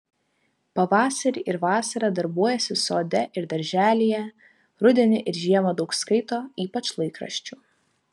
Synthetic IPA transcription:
pɐʋɑːsɐɾʲɪʔɪɾʋɑːsɐɾɐd̪ɐɾbuɔjɛsʲɪsoːd̪ʲɛʔɪɾd̪ɐɾʲʒʲæːlʲijɛ | ɾʊd̪ʲɛnʲɪʔɪɾʒʲiɛmɐd̪ɒʊkskɐɪt̪oːiːpɐt͡ʃlˠɐɪkɾɐ̰ʃʲt͡ʃʲuː

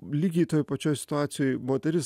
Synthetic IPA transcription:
lʲiːɡʲɛɪt̪oːjpɐt͡ʃʲoːjsʲɪ̥t̪ʊaːt̪sʲɪjoːjmoːt̪ʲɛɾʲɪs

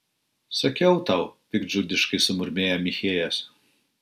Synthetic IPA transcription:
sɐkʲɛʊt̪ɐʊpʲɪɡd͡ʒʲʊd̪ʲɪʃkɐɪsʊmʊɾʲmʲeːjɛmʲɪxʲeːjɛs

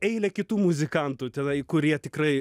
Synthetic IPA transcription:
ɛɪlʲɛkʲɪt̪uːmʊzʲɪkɐnt̪uːt̪ʲɛnɐɪkʊɾʲiɛt̪ʲɪkɾɐɪ

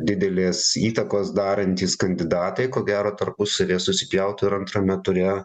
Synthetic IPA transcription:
d̪ʲɪd̪ʲɛlʲeːsiːt̪ɐkoːsd̪ɑːɾɐnʲt̪ʲiːskɐnʲd̪ʲɪd̪ɑːt̪ɐɪkoːɡʲæːɾoːt̪ɐrpʊsɐʋʲeːsʊsʲɪ̥pʲjɛʊt̪ʊɪɾɐnt̪ɾɐmʲɛt̪ʊɾʲɛ

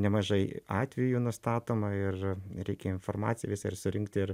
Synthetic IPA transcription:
nʲɛmɐʒɐɪɑːt̪ʲʋʲɛjuːnʊst̪ɑːt̪oːmɐɪrɾʲɛɪkʲɛɪnformɑːt̪sʲɪjɛʋɪsɐɪrsʊɾʲɪŋkt̪ʲɪr

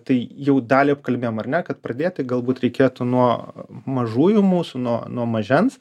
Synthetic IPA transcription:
t̪ɐɪjɛʊd̪ɑːlʲiːɐp̚kɐlʲbʲeːjomɐrnʲɛkɐt̪pɾɐd̪ʲeːjtt̪ɐɪɡɐlˠbuːt̪ɾʲɛɪkʲeːt̪ʊnuɔmɐʒuːjʊmuːsʊnuɔnuɔmɐʒʲɛns

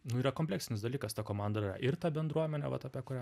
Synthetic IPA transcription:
nʊiːɾɐkoːmpʲlʲæːksʲɪnʲɪsd̪ɐlʲiːkɐst̪ɐkoːmɑnd̪ɐrɐ̰ʔɪrt̪ɐbʲɛnd̪ɾuɔmʲɛnʲɛ̰ʋɐ̰t̪ɐːpʲiɛkʊɾʲæː

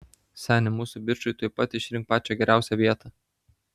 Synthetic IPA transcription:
sʲænʲɪmuːsʊbʲɪɾʃʊjt̪uːjpɐt̪ʲɪʃʲɾʲɪŋk̚pɑːt͡ʃʲɛɡʲɛɾʲæʊsʲɛvʲiɛt̪ɐ

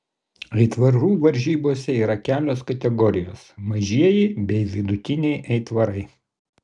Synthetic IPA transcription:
ɛɪt̪ʋɐɾuːʋɐɾʲʒʲiːboːsʲɛiːɾɐkʲæːlʲoːskɐt̪ʲɛɡɔɾʲɪjo̰ːsmɐʒʲiɛjɪbʲɛɪʋʲɪd̪ʊt̪ʲɪnʲɛɪʔɛɪt̪ʋɐɾɐɪ

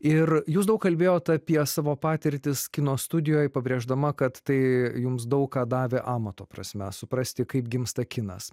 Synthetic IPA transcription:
ɪrjuːs̬d̪ɐʊkɐlʲbʲeːjoːt̪ɐpʲiɛsɑːʋoːpɑːt̪ʲɪɾʲt̪ʲɪskʲɪnoːsst̪ʊd̪ʲɪjoːjpɐbʲɾʲeːʒd̪ɐmɐkɐt̪tɐɪjʊmsd̪ɐʊkkɑːd̪ɑːʋʲeːʔɑːmɐt̪oːpɾɐ̰sʲmʲɛsʊpɾɐsʲt̪ʲɪkɐɪpɡʲɪmst̪ɐkʲɪnɐs

